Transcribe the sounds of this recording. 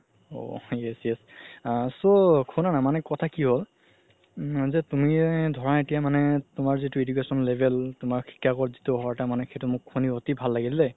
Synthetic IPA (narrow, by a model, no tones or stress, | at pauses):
o̰jɛsjɛs | sokʰunanamanɛkɔtʰakiɦol | zɛtumidʱɔɹaetijamanɛtʊmaɹzitʊedukesɔnlebʱɛltʊmaɹkʰi̥kʰːakɔɹzitʊɦɔɹɛtamanɛkʰetumʊkʰːuniɦotibʱalːaɡillɛ